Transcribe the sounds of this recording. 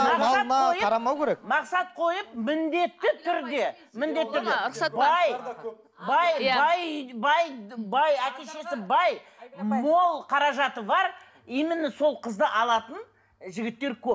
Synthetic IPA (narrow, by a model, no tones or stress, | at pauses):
ɑsɑt̪mɑojəɑɾɑmɑwkʲʰeɾekmɑqsɑt̪̚qʰo̞jəp̚mɪnd̪e̞t̪ːɪt̪ʰʏɾd̪e̞ | mɪnd̪e̞t̪ɪʏɾd̪esɑbɑj | bɑjjabɑjbɑjbɑjæt̪ʲe̞ʃe̞sɪbɑjmo̞lˠqʰɑɾɑʒɑt̪əbɑɾ | imɪnɪso̞lˠqʰəzd̪əʔɑlˠɑt̪ən | ʒɪɡʲɪt̪ːe̞ɾkʲʰɵp̚